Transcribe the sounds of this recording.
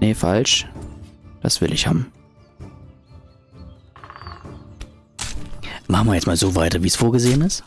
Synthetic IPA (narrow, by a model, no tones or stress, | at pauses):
nefa̰lʃ | d̥a̰sv̥ɪ̰lʔɪçha̰ːbm̩ | maχn̩viːɐjɛt͡stmaːlzoːvaɪtɐviːsfoːɐɡəzeːənɪst